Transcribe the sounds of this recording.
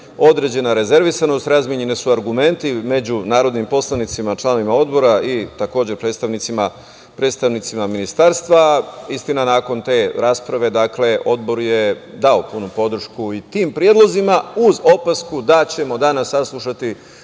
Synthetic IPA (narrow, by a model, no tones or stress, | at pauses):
o̞d̪ɾe̞d͡ʑe̞naɾe̞ze̞ɾʋisano̞st̪ɾazmʲjeɲe̞nisuaɾɡume̞nt̪ime̞d͡ʑunaːɾo̞d̪nimpo̞slˠanit̪simat͡ʃlˠaːnoʋimao̞d̪bo̞ɾait̪ako̞ːd͡ʑe̞ɾpɾed̪st̪aʋnit̪sima | pɾet̪st̪aʋnit̪simaminist̪aːɾst̪ʋaist̪inanaːko̞nt̪e̞ːɾaːspɾaʋe̞d̪akle̞ʔo̞d̪bo̞ɾjed̪ao̞punupo̞d̪r̩ʃkuit̪iːmpɾjed̪lˠo̞zimauzo̞paskud̪at͡ɕe̞mo̞d̪anasːaslˠuʃat̪i